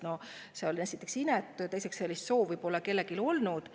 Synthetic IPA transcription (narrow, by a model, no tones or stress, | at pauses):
no̞seo̞linæjsit̪ːˑe̞ksinɛt̪ːˑut̪e̞jsekse̞lːist̪so̞ːvujb̥o̞lːɑke̞lːe̞kilo̞lnud̪̥